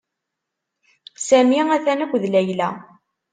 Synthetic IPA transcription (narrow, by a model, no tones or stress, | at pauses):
sæmiæθænækʷðlæjlæ